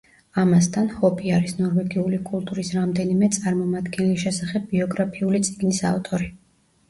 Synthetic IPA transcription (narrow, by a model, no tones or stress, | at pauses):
amast̪ʰanhɔpʼiaɾisnɔɾwɛɡiulikʼulˠt̪ʼuɾisɾamd̪ɛnimɛt̪sʼaɾmɔmad̪ɡɛnlisʃɛsaχɛb̚ːiɔɡɾapʰiulit̪sʼiɡnisa̰ft̪ʼɔɾi